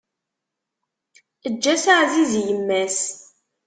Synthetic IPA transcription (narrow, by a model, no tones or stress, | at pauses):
əd͡ʒːæsaʕzizjəmːæs